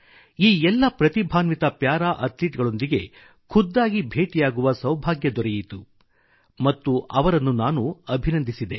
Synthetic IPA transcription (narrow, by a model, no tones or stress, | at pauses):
iːɛlːɐpɾɐt̪ibʱaːnʋit̪ɐpjaːɾaːʔɐt̪liːʈɡɐɭo̞nd̪iɡe̞ | kʰud̪ːaːɡibʱe̞ːʈijaːɡuʋɐsɐwbʱaːɡjɐd̪ɔɾɛjit̪u | mɐt̪ːuʔɐʋɐɾɐnːunaːnuɐbʱinɐnd̪ʱisid̪e̞